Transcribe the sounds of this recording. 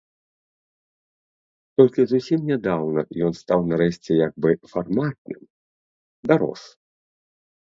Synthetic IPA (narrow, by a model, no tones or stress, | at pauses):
t̪ɔlʲkʲizusʲimnʲɛd̪awnɐjɔnst̪awnaɾɛɕʲt͡sʲɛjaɡ̚bɨfarmat̪̚nɨ̰m | d̪aɾɔ̰s